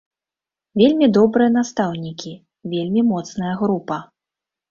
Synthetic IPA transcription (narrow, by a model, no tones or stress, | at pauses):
vʲelʲmʲid̪ɔbɾɨjɐn̪ast̪awnʲikʲi | vʲelʲmʲimɔt̪snɐjɐɣɾupɐ